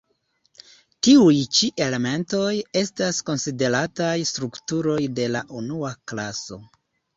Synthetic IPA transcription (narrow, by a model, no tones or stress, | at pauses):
tiujt͡ʃiʔe̞le̞me̞nto̞je̞stasko̞nside̞ɾatajstɾuktuɾo̞jde̞laʔunuaklaso̞̰